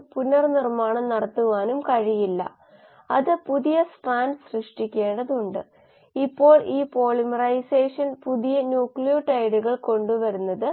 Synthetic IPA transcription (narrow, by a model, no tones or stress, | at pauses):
punːɐrnirmaːɳɐmnɐɽɐt̪ːuʋaːnumkɐɻijilːɐ̰ | ɐðɨpuðijɐsʈraːnɖsrɨʂʈikʲːe̞ːɳɖɐðuɳɖɨ | ipːo̞ːɭiːpo̞ːɭimɐrɐjseːʂɐnpuðijɐnjuːkɭijoʈɐjɽuɣɐɭko̞ɳɖuʋɐɾunːɐðɨ